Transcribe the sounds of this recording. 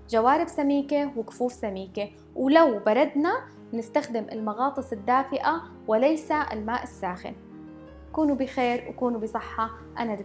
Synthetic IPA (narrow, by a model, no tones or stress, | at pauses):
ʒawaːɾɪbsamiːkewɪkʊ̥fuːfsamiːke | wlawbɑɾˤɑd̪na | nɪst̪axd̪ɪmʔɪ̰lmɑɣɑːt̪ˤɨsˤɪd̪ːaːfɪʔa | wɪlajsaɪ̰lmaːʔɪsːaːxɪ̰n | kuːnubɪxeːɾwkuːnubisˤɨħːɑ | ʔanad̪